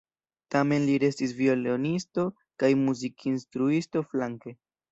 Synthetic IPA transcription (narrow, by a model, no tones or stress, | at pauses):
tame̞nliɾe̞stis̬vio̞leonisto̞ | kajmuzikʰinstɾuisto̞flaŋke̞